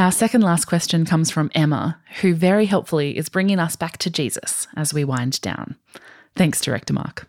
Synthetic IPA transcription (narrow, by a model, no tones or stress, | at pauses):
aʊəsɛkɨ̃n̩dlæskʰw̥ɛst͡ʃɨ̃nkʰʌ̃mz̥fɹʌ̃mɛmə̰hʉvɛɹiɦɛlˠpfl̩ˠiʔɪ̰zbɹɪ̃ŋɪ̃ŋʌsb̥æk̚tʰɨd͡ʒizə̰sɨzwiwãɪ̃nd̥ã̰ʊ̃n | θæ̃ŋksdtʰəɹɛ̰k̚təmɑ̰ɹk